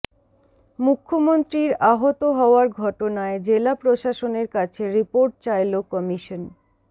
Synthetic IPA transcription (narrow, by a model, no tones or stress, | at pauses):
mukʰːomont̪ɾiɾaɦot̪oɦɔoaɾɡʱɔʈonaed͡ʑelapɾoʃaʃoneɾkat͡ɕʰeɾipoɾʈ̚t͡ɕajlokɔmiʃon